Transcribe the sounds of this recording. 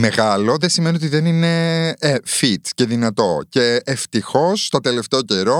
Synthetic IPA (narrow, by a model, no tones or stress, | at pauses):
me̞ɣɐlo̞ðesimenio̞t̪̬iðenine̞ | fit̪ce̞ðinɐt̪o̞ce̞ːft̪ixo̞st̪ot̪e̞le̞ft̪eoce̞ɾo̞